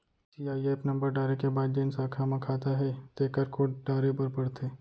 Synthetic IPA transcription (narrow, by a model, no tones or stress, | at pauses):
siːaːieːpnɐ̃mbəɾɖaːɾekebaːd̪̚d͡ʒeːnsaːkʰamãkʰaːt̪aɦɛt̪eːkəɾkʰoːɖaːɾepɐɾpɐɽt̪eː